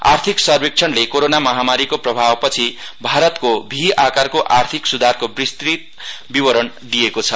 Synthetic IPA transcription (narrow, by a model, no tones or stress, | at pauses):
a̰rt̪ʰiksʌrbik̚t͡ʃʰʌnlekoɾonamʌɦamaɾikoprʌbʱawpʌt͡sʰibʱaɾʌt̪kobʱiakarkoʔart̪ʰiksud̪ʱarkobrist̪rit̪̚ | bibʌɾʌn | d̪ijekot͡sʰʌ